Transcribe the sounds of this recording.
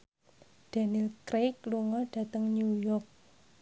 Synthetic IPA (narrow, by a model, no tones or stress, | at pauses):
ɖ̥a̤nilkɾejk̚luŋɔɖ̥a̤t̪əŋnujɔrk̚